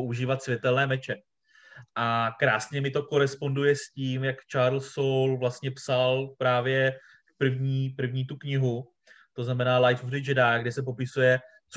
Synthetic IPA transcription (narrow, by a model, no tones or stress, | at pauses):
oʔuʒiːvat̪svʲjɛt̪ɛlnɛːmɛt͡ʃɛ | ʔakɾaːsɲɛmɪt̪o̞ko̞ɾɛspo̞ndujɛsciːmjakt͡ʃaːɾlsowlvlast̪ɲɛpsalpɾaːvjɛ | pr̩vɲiːpr̩vɲiːt̪ukɲɪɦu | t̪o̞znamɛnaːlajfvɾɪd͡ʒɛdaːɡdɛsɛp̬o̞pɪsujɛ | t͡s